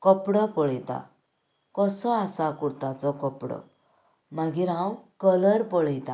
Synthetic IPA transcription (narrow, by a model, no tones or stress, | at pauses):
kɔpɽɔpɔɭɛjt̪a̰ | kɔsɔasakuɾt̪at͡sɔkɔpɽɔ̰ | maɡiɾɦãwkələɾpɔɭɛjt̪ã